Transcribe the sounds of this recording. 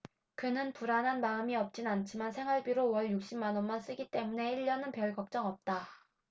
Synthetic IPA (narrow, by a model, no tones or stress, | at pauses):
kɯnɯnpuɾanɦanmaɯmiʌp̚t͡ɕ͈inant͡ɕʰimansʰe̞ŋɦwaɭbiɾowʌɭjuk̚ɕ͈imːanʌnmans͈ɯɡit͈e̞mune̞iʎːʌnɯnpjʌɭkʌk̚t͡ɕ͈ʌŋʌp̚t͈a